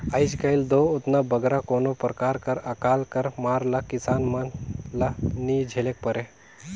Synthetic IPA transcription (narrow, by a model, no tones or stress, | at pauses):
ajd͡ʒkɐjld̪oːʊt̪nabəɡɾakoːnopɾkaːɾkɐɾɐkaːlkɐɾmaːɾlakɪsaːnmɐnlanid͡ʒʱelek̚pəɾe